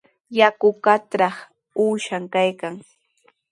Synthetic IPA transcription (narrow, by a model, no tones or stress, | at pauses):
jakʊkat̪ɾɑχ | uːʃamkajkaŋ